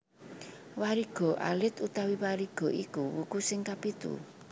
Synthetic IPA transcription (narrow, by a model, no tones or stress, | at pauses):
waɾiɡ̥ɔ̤ʔa̰lɪt̪ut̪awiwaɾiɡ̥ɔ̤ʔikuwukusɪŋkapit̪ṵ